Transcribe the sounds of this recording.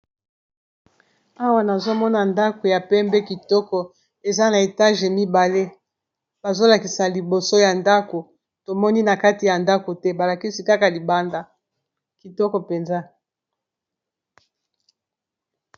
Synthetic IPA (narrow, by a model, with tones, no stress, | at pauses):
a˦wa˦na˨zo˦mɔ˦na˨nda˦ko˨ja˨pɛ˦mbɛ˦ki˨tɔ˦kɔ˨ | e˨za˦na˨e˨ta˦ʒe˨mi˦ba˨le˦ | b̥a˨zo˦la˨ki˨sa˨li˨bo˨so˦ja˨nda˦ko˨ | to˨mɔ˦ni˦na˨ka˦ti˨ja˨nda˦ko˨tɛ˦ba˨la˨ki˦si˨ka˦ka˨li˨ba˦nda˨ | ki˨tɔ˦kɔ˨pe˨nza˦